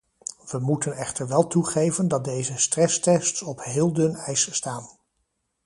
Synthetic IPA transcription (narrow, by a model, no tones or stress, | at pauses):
ʋəmutənɛχtəɹʋɛlˠtuχejvəndɑt̚dejzəstrɛstɛstsɔpɦɪːlˠdɵnɛjsstaːn